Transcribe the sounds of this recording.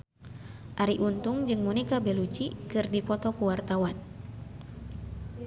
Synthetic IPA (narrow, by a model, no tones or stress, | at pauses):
ʔaɾiʔunt̪ʊŋd͡ʒɨŋmɔnikabɛlut͡ʃikɨrdipɔt̪ɔkuwart̪awan